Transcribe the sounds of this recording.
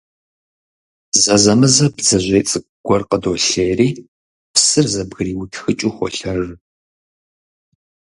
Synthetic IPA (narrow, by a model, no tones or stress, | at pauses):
zɐzɐmɨzɐbzɐʑʷeːt͡sʼɨ | ɡ̥ʷɔrqədoːɬeːriː | psɨrzɐbɣɨriːwʊtʰxɨt͡ʃʼuxʷɔ̰ɬɐr